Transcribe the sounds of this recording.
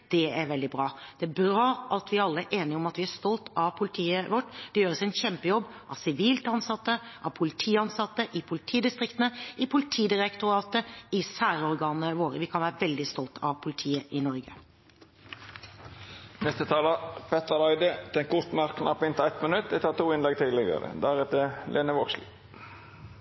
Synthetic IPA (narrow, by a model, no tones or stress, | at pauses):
d̪̥ɛæɾʋɛld̪ɪbɾɑːd̪̥ɛæbɾɑːʔɑt̪ʋɪɾɑlːəæʔeːnɪɔmɑt̪ʋɪæst̪ɔlt̪ɑʋpʰʊlɪt̪ʰiːəʋɔʈːd̪̥ɛjøːɾəsɛɛnɕɛmpəjɔbːʔɑ̰ʋsɪʋiːlt̪ɑnsɑt̪ːəʔɑʋpʰʊlɪt̪ʰiːɑnsɑt̪ːəʔɪpʰʊlɪt̪ʰiːd̪ɪst̪ɾɪkt̪nəɪpʰʊlɪt̪ʰiːd̪ɪɾɛkt̪ʊɾɑːt̪əɪsæːɾəɔɾɡɑːnəʋoːɾəʋɪkʰɑnʋæːɾəʋɛld̪ɪst̪ɔlt̪ʰɑ̰ʋpʰʊlɪt̪ʰiːəʔɪnɔɾɡə | nɛst̪ət̪ʰɑːləpʰɛt̪əʁlɑɪd̪əd̪̥ɛnkʰʊt̪n̩æʁkʰnɑpːɪnt̪æɪt̪mənʉt̪ːʋɪt̪ʰɑːt̪ʰuːɪnlɛɡ̚t̪ʰiːd̪lɪɡɑ̰ɾə̰d̪æɾɛt̪əlʔeːnəʋɔkslɪ̰